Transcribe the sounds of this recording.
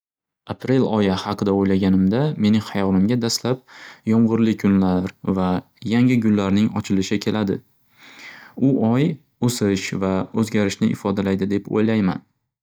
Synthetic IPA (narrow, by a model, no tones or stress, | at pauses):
apʰɾe̞lɒjahɑqʰɨd̪aojlaɡʲanɪmd̪ame̞nɪŋhɑjɒnɪmɡʲad̪aslap̚jɒɴʁʊɾlɪkʰʊnlaɾva | jaŋɪɡʲʊlːaɾnɪŋɒ̰t͡ʃʰɪlɪʃɪkʲʰe̞lad̪ɪ̰ | ʊʔɒj | osɪʃvaɵzɡʲaɾɪʃnɪʔɪ̰fɒd̪alajd̪ɪd̪e̞po̰jlajma̰n